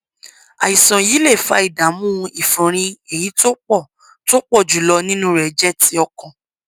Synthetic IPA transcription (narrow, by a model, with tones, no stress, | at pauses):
a˨i˨sã˨jiː˨˦le˦˨fa˧˦i˦˨da˨˦mũ˦˧i˦˨fũ˨ɾ̃ĩ˧e˨ji˨˦to˦k͡pɔ˦˨ | to˦k͡pɔ˦˨d͡ʒu˨˦lɔ˧nĩ˦nũ˦ɾɛ˨˦d͡ʒɛ˦ti˧ɔ˧kɔ̃˨